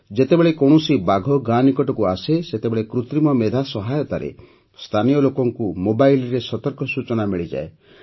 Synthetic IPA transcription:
d͡ʒet̪ebeɭekɔɳ̃ɔsibaɡʱɔɡanikɔʈɔkuaseset̪ebeɭekɾut̪ɾimɔmed̪ʱasɔɦajɔt̪aɾḛ | st̪ʰanijɔlokɔŋkumobajlɾesɔt̪ɔɾkɔsut͡ʃɔnamiɭid͡ʒa̰e

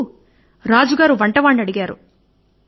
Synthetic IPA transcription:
ɾaːd͡ʒuɡaːɾuʋɐɳʈɐʋaːɳɖɐɽiɡaːɾṵ

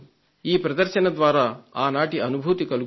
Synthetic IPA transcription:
iːpɾɐd̪ɐɾʃɐnɐd̪ʋaːɾaːaːnaːʈiɐnubʱuːt̪ikɐluɡ

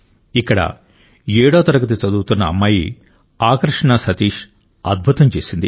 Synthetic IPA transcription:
ikːɐɽɐ̰ | jeːɽoːt̪ɐɾɐɡɐt̪̬it͡ʃɐd̪uːt̪unːɐːmːaːji | aːkɾɐʂɐɳasɐt̪iːʂ | ɐd̪̚bʱut̪ɐmt͡ʃeːsind̪i

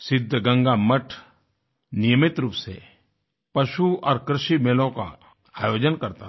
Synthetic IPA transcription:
sɪd̪ʱːəɡɐ̃ŋɡaməʈʰ | nɪjəmɪt̪ɾuːpse | pɐʃuɔ̰ːɾkɾɪʃimeːlõka̰ | aːjoːd͡ʒənkɐɾt̪a

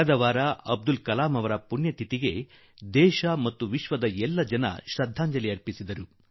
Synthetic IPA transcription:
ɐd̪ɐʋaːɾɐɐb̚d̪ulkɐlaːmɐʋɐɾɐpunjɐt̪ʰit̪iɡe̞ | d̪ɛːʃɐmɐt̪ːuʋiʃʋɐd̪ɐɛlːɐd͡ʒɐnɐ̰ʃɾɐd̪ʱːaːɲd͡ʒɐliɐɾpisid̪ɐɾu

